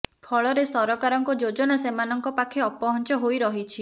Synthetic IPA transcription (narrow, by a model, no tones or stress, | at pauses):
pʰɔɭɔɾesɔɾɔkaɾɔŋkɔd͡ʒod͡ʒɔnasemanɔŋkɔpakʰeɔpɔɦɔnt͡ʃɔɦojɾɔɦit͡ʃʰi